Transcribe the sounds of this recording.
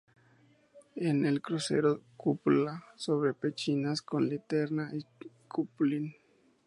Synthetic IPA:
enelkɾusḛɾokuplasoβɾepet͡ʃinaskonlit̪eɾnaʔikuplin

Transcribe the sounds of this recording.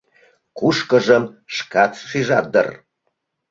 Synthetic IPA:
kuʃkəʒəmʃkɑt̪ʃiʒɑə̰r

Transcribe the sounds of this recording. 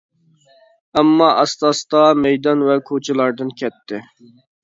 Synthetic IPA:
ɛmːɑʔɑst̪ɑst̪ɑmɛjd̪ɑnwɛkʰot͡ʃʰɪlˠɑɾd̪ɨnkʲʰɛt̪ʰːɪ

